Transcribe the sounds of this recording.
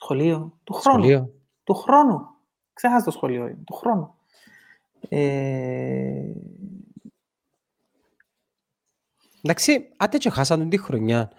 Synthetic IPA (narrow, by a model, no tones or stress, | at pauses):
sxoliot̪uxɾoonulio | t̪uxɾo̞nu | ksexɐst̪osxolio̰ḭt̪uxɾo̞nu | e | nd̪aksiɐt̪et͡ʃoxɐs̬ɐnd̪und̪ixɾoɲɐ